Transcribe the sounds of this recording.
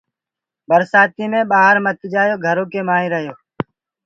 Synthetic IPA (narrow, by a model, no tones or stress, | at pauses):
bəɾsaːt̪iːmẽːɓaːɦəɾmət̪d͡ʒaːjoːɡʱəɾõːkeːmaːɦĩːɾəɦjoː